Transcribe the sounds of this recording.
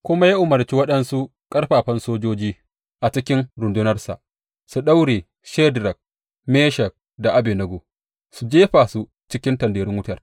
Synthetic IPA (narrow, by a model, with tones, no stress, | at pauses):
kʷʊ˦ma˦ji˦ʔʊ˨mɐ˨rt͡ʃi˦wɐ˦ɗɐ˦nsu˦ | kʼɐ˦rɸaː˨ɸɐ˦nsoː˦d͡ʒoː˦d͡ʒiː˦ | ʔa˨t͡ʃɪ˦kʲɪ˦nɾʊ˨ndʊ˦nɐ˦rsa̰˨ʔ | su˨ɗa˦wɽeː˨ | ʃɛ˦dɾɐ˨k̚ | meː˦ʃɐ˨k̚ | da˨ʔa˦beː˨nɐ˦ɡo˨ | su˨d͡ʒeː˦ɸaː˨su˦ | t͡ʃɪ˦kʲɪ˦ntɐ˨ndeː˨ɾɪ˦ŋwʊ˦tɐ˨r